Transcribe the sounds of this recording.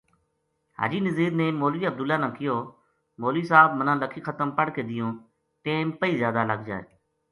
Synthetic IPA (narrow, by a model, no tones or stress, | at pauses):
ha̰ːd͡ʒiːnəziːd̪neːmoːliːəb̚d̪ʊlːaːnãːkɪjoː | moːliːsaːb̚mənãːləkʰiːxʰət̪əmpəɽkeːd̪ɪjõː | ʈeːmpəiːzjaːd̪aːləɡd͡ʒa̰ːḛː